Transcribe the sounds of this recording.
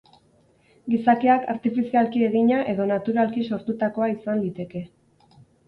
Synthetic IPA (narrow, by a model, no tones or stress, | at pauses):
ɡisakiaka̰ɾt̪ifisialkie̞ɣiɲaʔe̞ðo̞nat̪uɾalkiso̞ɾt̪ut̪ako̞aisand̪it̪e̞ke̞